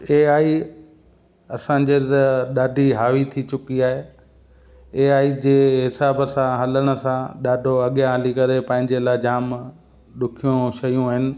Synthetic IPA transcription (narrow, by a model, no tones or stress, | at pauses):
eːaːi | ɐsãːd͡ʑeːt̪ɗaːɖʱiɦaːʋit̪ʰit͡ɕʊkiaːɦeː | eːaːid͡ʑeːɦɪsaːbəsãɦɐləɽ̃ə̆sãɗaːɖʱoɐɠjãɦəlikɐɾepɐ̃ːɦɪ̃ɲd͡ʑelaːɪd͡ʑaːm | ɗʊkʰijõʃɐjũɦɪnɪ̆